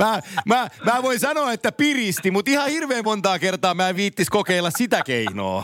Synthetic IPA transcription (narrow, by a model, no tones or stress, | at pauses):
mæːmæːmæːʋoinsɑnoːet̪ːæpirist̪imut̪ihɑhirʋeːmmont̪ɑːkert̪ɑːmæːʋiːt̪ːiskokeilːɑssit̪ækeino̰ː